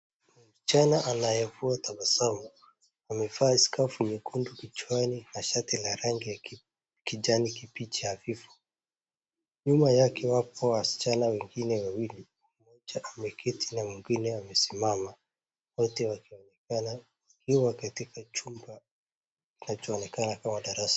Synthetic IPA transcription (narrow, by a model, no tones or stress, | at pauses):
musi̥t͡ʃanaʔanajɛvuatabasamu | amɛfaskafuɲɛkʰundukit͡ʃwaninaʃatilaɾaŋɡia | kiʄanikipit͡ʃiafifu̥ | ɲumajakʰɛwapɔwasi̥t͡ʃanawɛŋɡinɛwawili | mɔd͡ʒaʔamɛkʰɛtʰinawɛŋɡinɛwamɛsimama | wɔtɛwakinkana | kiwakatikat͡ʃumba | kinat͡ʃɔːnɛkanakamaɗaɾasḁ